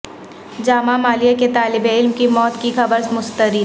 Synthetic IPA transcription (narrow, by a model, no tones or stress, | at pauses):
d͡ʒaːmamaːlijaket̪aːlɪbeɪlmkimɔːt̪kixɐbəɾsmʊst̪əɾiː